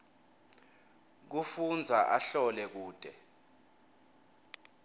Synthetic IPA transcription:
k̬ufund͡zʱaʔaɬɔlɛk̬uːd̥ʱɛ

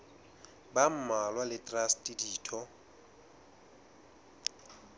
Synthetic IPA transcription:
bam̩malwalɪtʼrastʼidiːtʰɔ

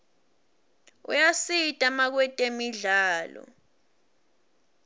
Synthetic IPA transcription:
ṵjasitʼamak̬wɛtʼemiɮaːlɔ̰

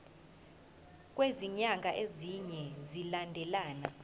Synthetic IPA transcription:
k̬ʼweziɲaŋɡʱaʔeziɲɛzilandʱɛlaːna

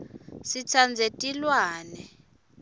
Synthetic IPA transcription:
sit͡sʰand͡zʱetʼilwaːnɛ

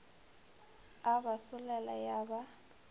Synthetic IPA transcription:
abasʊlɛlajaba

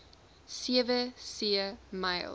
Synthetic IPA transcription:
siəvəsiəmɐjlˠ

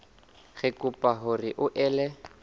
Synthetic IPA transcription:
ɣɪkʼʊpʼaɦʊrɪʔʊʔɛːlɛ

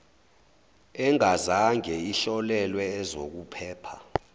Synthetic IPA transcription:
ɛŋazaŋɛiɬɔlɛlwɛːzo̰k̬upʰɛːpʰa

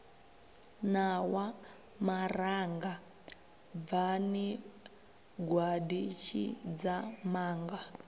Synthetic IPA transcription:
nawa | maraŋɡa | vani | ɡwadit͡ʃʰḭd͡zamaːŋɡa

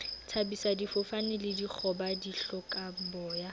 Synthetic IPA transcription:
t͡sʰabisadifʊfanɪlɪdik͡xʰɔbadiɬɔkʼabɔːja

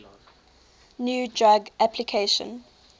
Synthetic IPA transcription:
njuːd͡ʒaɡʔapʰlikʰeʃə̰̃n

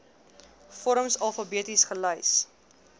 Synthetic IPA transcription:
fɔɾəmsɐlˠfɐbiətisχələjs

